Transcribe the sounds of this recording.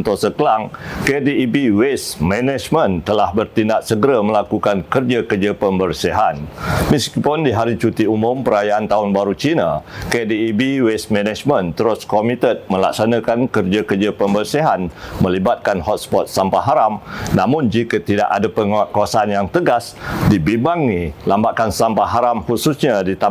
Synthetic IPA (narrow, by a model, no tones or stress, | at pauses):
nt̪ɔsəkəlaŋkediːbiwesmɛnɛd͡ʒmə̃nt̪əlahbərt̪indaʔsəɡəɾaməlakukankərd͡ʒakərd͡ʒəpəmbərsiɦanmiskpɔndiɦaɾit͡ʃut̪iumʊmpəɾajaant̪aʊnbaɾut͡ʃinakediːbiwest̪mɛnad͡ʒmə̃nt̪əɾʊskomit̪ət̪̚mə̃la̰k̚sanãkankərd͡ʒakərd͡ʒapəmbərsiɦanmə̃libat̪̚kanhɔt̪̚spɔt̪̚sampaɦaɾamnãmʊnd͡ʒikət̪ida̰ʔadapəŋwaʔkawasaanjaŋt̪əɡasdibimbaŋilambaʔkansampaɦaɾamhususɲadit̪a